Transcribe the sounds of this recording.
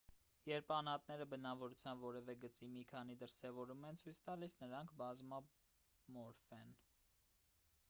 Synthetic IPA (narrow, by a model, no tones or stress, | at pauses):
jɛɾpʰɑnɑt̪nɛɾəbənɑvɔɾut͡sʰjɑnvɔɾɛvɛɡət͡simikʰɑn̪id̪əɾsɛvɔɾumɛnt͡sʰujt͡sʰt̪ɑlisnəɾɑŋkʰbɑzmɑ | mɔɾfɛn